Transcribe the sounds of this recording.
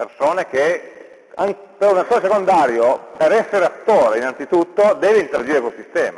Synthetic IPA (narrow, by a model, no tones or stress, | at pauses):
persoːnek̟e | aŋkpeɾunat̪ːoːɾesekond̪aːɾjopeɾɛsːeɾeat̪ːoːɾeinant̪sit̪ut̪ːod̪ɛːveint̪eɾad͡ʒiɾekwolsist̪ɛ̰ːma